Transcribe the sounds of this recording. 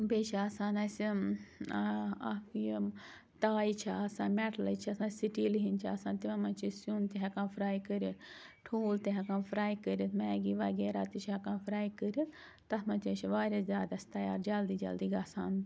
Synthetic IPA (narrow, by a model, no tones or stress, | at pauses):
beːt͡ʃʰiɐsaːnɐs | ji | t̪aːit͡ʃʰaɐsãːnmɛʈʰlɐt͡ʃʰiɐsãːsiʈiːliɦint͡ʃʰiɐsãːnt̪imamɐnt͡ʃʰisjunt̪iɦɐkãːnfʰɾaːjkəɾit̪ʰʈʰoːlt̪iɦɐkãːnfʰɾaːjkəɾʲit̪ʰmɛːɡiʋɐɡeːɾaːt̪it͡ʃʰɐkãːnfʰɾaːjkəɾit̪ʰ | t̪ɐt̪mɐ̃nt͡ʃ̪ʲit͡ʃʰiʋaːɾʲazʲjaːd̪ɐsʲt̪ɐja̰ːɾd͡ʒɐld̪iːd͡ʒɐ̰ld̪iɡʲɐsaːn